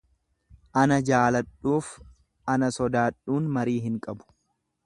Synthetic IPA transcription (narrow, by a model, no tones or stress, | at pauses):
ʔɐnɐd͡ʒaːlɐᶑːuːf | ɐnɐsɔd̪aːᶑuːnmɐɾiːɦɪŋkʼɐbʊ̥